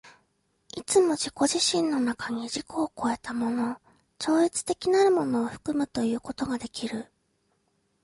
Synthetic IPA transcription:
it͡sɨmo̞ʑiko̞ʑiɕĩnːo̞nakaɲ̟iʑiko̞ːko̞e̞t̪amo̞no̞ | t͡ɕo̞ːit͡sɨ̥t̪e̞kʲinaɾɯ̟mo̞no̞ːɸɯ̥kɯ̟mɯ̟t̪o̞jɯ̟ːko̞t̪o̞ɡad̪e̞kʲiɾɯ̟

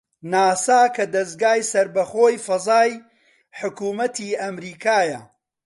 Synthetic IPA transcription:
naːsaːkʰɐd̪ɐs̚ɡaːjsɐɾbɐχoːjfɐzaːj | ħʊkuːmɐt̪ʰiːɐmɾiːkʰaːjɐ̰

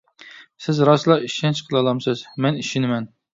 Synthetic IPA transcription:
sɪzɾɑslˠɑiʃɛnt͡ʃqʰəlˠɑlˠɑmsɨz̥mɛniʃinɪmɛn

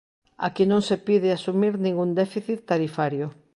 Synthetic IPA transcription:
a̰kɪnõŋsepiðɪasumiɾnĩŋɡund̪ɛfiθit̪ːaɾifaɾjʊ

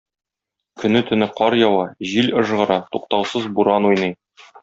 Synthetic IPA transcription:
kɵ̆nɘt̪ɵ̆nɘqɒɾjɒwɑʑilɤ̆ʒʁɤ̆ɾɑt̪uq̚t̪ɑwsɤzbuɾɑnujnɤj

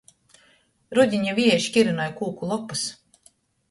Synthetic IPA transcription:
ɾud̪ʲiɲavʲiɛʃkʲiɾunɔjkuːkulˠɔpːɨs

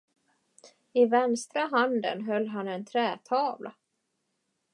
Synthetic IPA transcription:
ɪvɛnst̪ɾaɦand̪ə̰nɦœlːɦanɛnt̪ʰɾɛːt̪ʰɑːvlʔa̰

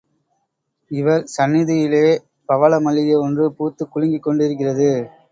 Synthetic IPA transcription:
ɪʋɐɾsɐnːɪðɐjɪleː | pɐʋɐlɐmɐlːɪjeɔndrɯpuːt̪ːɯkːʊɻɪŋɡɪkːɔɳɖɪɾɯk̬ːɪrɐðɯ

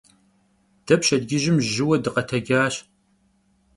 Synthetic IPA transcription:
d̥ɐpʃɐdɡʲɪʒɪmʒɪwɐdɨqɐtʰɐɡʲaːɕ

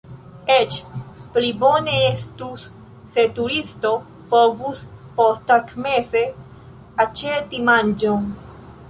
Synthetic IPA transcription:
et͡ʃplibone̞estusː | e̞tuɾisto̞ | po̞vuspostakmese̞ | at͡ʃetimand͡ʒon

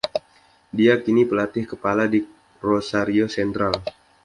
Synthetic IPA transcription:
diakinipəlat̪ɪhkəpaladi | rosaɾiosɛnt̪ɾal

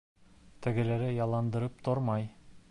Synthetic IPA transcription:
t̪ɘ̆ɡɘ̆læɾɘjɑlˠɑnd̪ɤ̆ɾɤp̚t̪ʰoɾmɑj

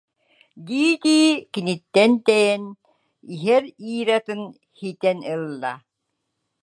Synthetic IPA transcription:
d̪iːd̪iːkinit̪ːɛnt̪ɛjɛn | iɦɛɾiːɾat̪ɯn | hit̪ɛnɯlˠːa̰

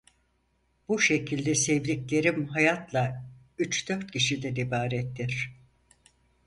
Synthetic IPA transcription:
b̥uʃe̞cʰilʲd̪ɛsɛvlʲiclʲe̞ɾimɦajat̪lˠa | yt͡ʃd̪̥øɾt̪̚cʰiʃid̪ɛnibaːɾɛt̪ʰːiɾ̥

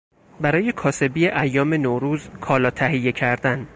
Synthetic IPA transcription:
bæɾɒːje̞kʰɒːse̞biːeʔæjːɒːme̞noɾuːzkʰɒːlɒːt̪ʰæɦijːe̞cʰæɾd̪æn

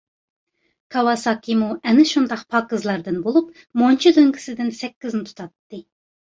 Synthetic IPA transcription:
kʰɑwɑsɑːkʲʰimuɛnɪʃund̪ɑqpʰɑːkɨzlˠɑɾd̪ɨnbolˠup̚ | mont͡ʃʰid̪øŋɡʲi̥sɪd̪ɪnsɛkʲːiznɪt̪ʰu̥t̪ʰɑt̪ːɨ

